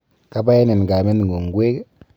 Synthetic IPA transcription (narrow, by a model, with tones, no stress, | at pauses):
ka˦ba˦je˦ne˨n˨ɡa˨me˦n˨ɡo˨ŋ˨ɡwe˦k